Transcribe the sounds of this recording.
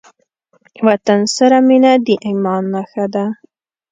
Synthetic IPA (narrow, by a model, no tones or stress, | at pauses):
wat̪ansaɾaminad̪iʔimɑnːaxad̪a